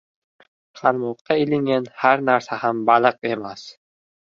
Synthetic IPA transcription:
qʰɑɾmɒqːɑɪlɪŋɡʲanhaɾnaɾsahambalɨqe̞mas

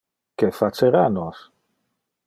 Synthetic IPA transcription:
kefat͡seɾanɔs

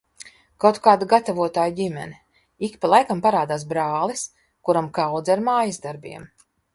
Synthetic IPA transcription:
kawt̪kaːd̪aɡat̪avuɔt̪aːjɟʲimʲɛ̰ni | ikpalˠajkampaɾaːd̪aːs̬bɾaːlˠis | kuɾamkawd̪zaɾmaːjasd̪aɾbʲḭɛm

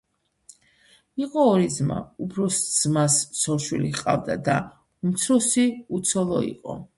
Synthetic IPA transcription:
iqʼɔːɾid̪zma̰upʰɾɔsd̪z̥massɔɾʃwiliqʼavd̪a̰d̪a | umt̪sʰɾɔsiut̪sʰɔlˠɔ̰ḭqʼɔ̰

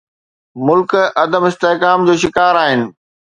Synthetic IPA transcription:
mʊlkɐd̪əmɪst̪eɦkaːmd͡ʑoːʃɪkaːɾaːɦɪnɪ̆

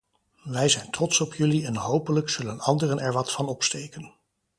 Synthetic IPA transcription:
ʋɛjzɛjntrɔtsɔpjɵliɛnɦowpələksɵlənɑndərənɛɹʋɑtfɑnɔpstejkən

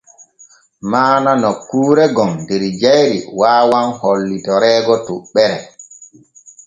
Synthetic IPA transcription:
maːnanɔkːuːɾɛɡɔmdɛɾd͡ʒajɾḭwaːwanholːitɔɾɛːɡɔtuɓːɛɾɛ

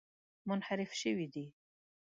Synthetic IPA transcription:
mʊnħaɾɪfʃəwid̪i

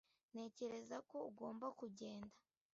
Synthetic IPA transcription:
ne̞ːce̞ɾe̞zako̞uɡo̞ːmbakuɟe̞ːnda

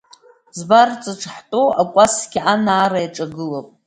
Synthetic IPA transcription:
zbart͡sʼɨʈ͡ʂʰʼħtʼoakʷʼasɡʲiʔanaːɾajʈ͡ʂʼaɡɨlopʼ

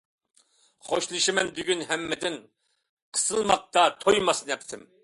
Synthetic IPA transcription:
χoʃlˠɨʃimɛnbyɡʲynɦɛmːɪd̪ɪn | qʰə̥sɨlˠmɑq̚t̪ɑt̪ʰojmɑsnɛp̚t̪ʰɪm

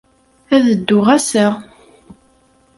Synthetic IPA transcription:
æðəd̪ːʊʁæsæ

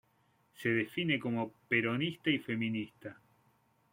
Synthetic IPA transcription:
se̞ðefineko̞mopeɾonist̪aife̞mĩnist̪a

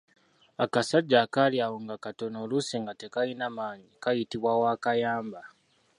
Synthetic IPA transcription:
akasaɟːaːkaliaːwoŋɡakato̞no̞ːluseːŋɡate̞kajinamaːɲikajitiβwawaːkajaːmba

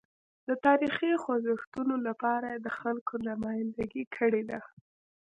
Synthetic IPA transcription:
d̪ət̪ɑɾixixwazɪxt̪unolapɑɾajed̪əxalkonamɑjnd̪aɡikʰəɽed̪a

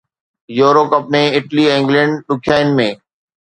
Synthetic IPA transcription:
joːɾoːpəpneɪʈliːɪ̃ŋɡlɛ̃ːɳɖɗʊkʰjaːɪn̆mẽː

